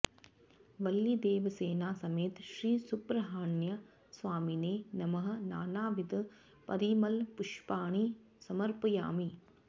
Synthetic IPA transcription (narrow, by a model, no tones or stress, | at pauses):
ʋɐlːid̪eːʋɐseːnaːsɐmeːt̪ʃɾiːsupɾɐɦaːɳjɐ | sʋaːmineːnɐmɐɦɐ̆naːnaːʋid̪ | pɐɾiːmɐlpʊʃpaːɳ̃i | sɐmɐɾpɐja̰ːmi